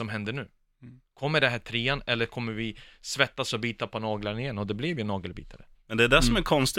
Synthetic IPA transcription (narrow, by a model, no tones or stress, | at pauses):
ɔmɦɛnd̪əɳʉ̟ː | kʰɔmːəɖɛɦæːʈ̪ʰɾeːanɛlːəɾkʰɔmːəɾvɪsvɛt̪ːasɔbiːt̪apʰɔnɑːɡlaɾnɪjɛnːɔd̪ɛblɛvjɵnɑːɡəlbḭːt̪ʰaɾə | mɛnd̪ɛæɖæsɔmæɾkʰɔnst̪ɪ